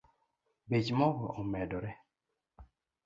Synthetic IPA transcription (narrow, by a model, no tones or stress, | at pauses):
bet͡ʃmɔɡɔʔɔmɛdɔɾɛ